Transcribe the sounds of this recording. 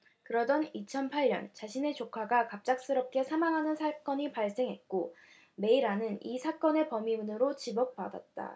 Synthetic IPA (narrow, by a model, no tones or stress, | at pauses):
kɯɾʌdʌnit͡ɕʰʌnpʰaɭːʌ̰nt͡ɕaɕʰine̞t͡ɕokʰaɡakap̚t͡ɕ͈ak̚s͈ɯɾʌp̚k͈e̞sʰamaŋɦanɯnsʰak͈ʌɲipaɭs͈e̞ŋɦe̞t̚k͈o | me̞iɾanɯnisʰak͈ʌne̞pʌmibunɯɾot͡ɕibʌk̚p͈ada̰t̚t͈a̰